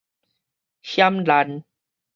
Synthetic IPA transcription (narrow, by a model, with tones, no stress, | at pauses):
ɕja˦mla˨˧˦n